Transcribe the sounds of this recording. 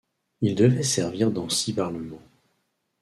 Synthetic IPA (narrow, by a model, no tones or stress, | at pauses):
ild̪əvɛsɛʁviʁd̪ɑ̃sibaʁləmɑ̃